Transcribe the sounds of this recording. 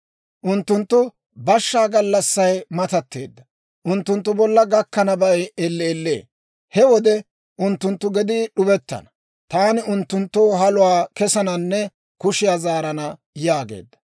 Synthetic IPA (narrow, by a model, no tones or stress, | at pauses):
ʔʊnt̪ːʊnt̪ːʊ | bɐʃːaːɡɐlːɐsːɐjmɐt̪ɐt̪ːe̞̰ːd̪ːɐ | ʔʊnt̪ːʊnt̪ːʊbɔlːɐɡɐkːɐnɐbɐjɛlːeːlːḛː | hɛwɔd̪ɛ | ʔʊnt̪ːʊnt̪ːʊɡɛd̪iɗʊbɛt̪ːɐ̰nɐ̥ | t̪aːnɪʊnt̪ːʊnt̪ːoːɦɐlʊwaːkɛsɐnɐnːɛ | kʊʃɪjaːzaːɾɐnɐ | jaːɡe̞̰ːd̪ːɐ̥